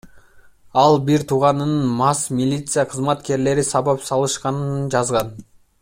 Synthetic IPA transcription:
ɑlˠbiɾt̪ʰuʁɑnɯnnmɑsmʲilʲit̪sɨjaqʰɯzmɑt̪ke̞ɾle̞ɾisɑβɑpsɑlˠɯʃqɑnɯnnd͡ʒɑzʁɑn

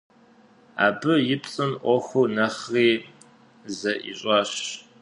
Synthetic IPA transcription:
a̰ːbɨjɪpt͡sʼɨnʔʷɔxʷuːnɐχriː | zɐʔḭɕʼɑːɕ

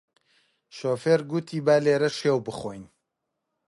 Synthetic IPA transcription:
ʃoːfeɾɡut̪ʰiːbaːleːɾɐʃeːwbɨxojn

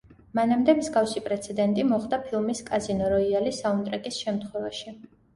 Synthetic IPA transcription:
manamd̪ɛmzɡafsipʼɾɛt̪sʰɛd̪ɛnt̪ʼimɔχd̪apʰilˠmiskʼazinɔɾɔialisaunt̪ʼɾɛkʼisʃɛmt̪ʰχwɛvaʃi

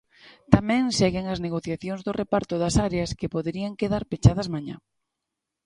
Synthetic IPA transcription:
t̪amɛ̃ŋsɛɣɪŋɐzneɣoθjaθjoŋzðorʔepaɾt̪ʊðɐsaɾeɐskepoðeɾiaŋkeðaɾpet͡ʃað̞ɐzmaɲa̰

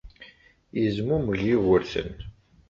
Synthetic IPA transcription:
jəzmuməʝiɣəɾθə̰n

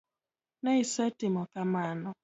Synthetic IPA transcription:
nɛɪsɛtɪmɔkamanɔ

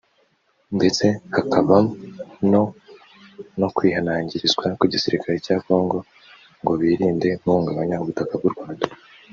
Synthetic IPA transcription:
nde̞t͡se̞hakʰaβano | no̞kwiːɦanaːɲɟiɾizɡwakiɟisiɾikʰaɾecaːko̞ːŋɡo̞ | ŋɡo̞βiːɾiːnde̞muːŋɡaβaɲauβutakab̚ɡuɾɡwaːndḁ

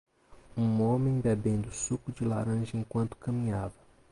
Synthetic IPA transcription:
ũõmẽj̃bebẽnd̪ʊsukʊd͡ʒila̰ɾɐ̃ʒɐẽŋkwɐ̃nt̪ʊ̥kɐmĩɲavɐ

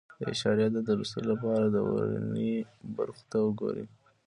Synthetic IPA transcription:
d̪əɪ̰ʃɑɾjɑəd̪əɾust̪əlolapɑɾad̪əwaɾa̰niba̰ɾxo̥t̪awəɡo̰ɾi

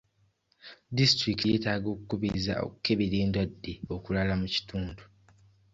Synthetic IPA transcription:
distɾiktije̞ːtaːɡo̞ːkukuβiiza̰o̞̰kukːe̞βiɾeːndwadːeo̞kulalamuci̥tuːndu

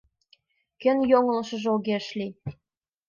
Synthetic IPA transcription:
kɘ̆njoŋɤ̆lɤ̆ʃɤ̆ʒolɣeʃlʲi

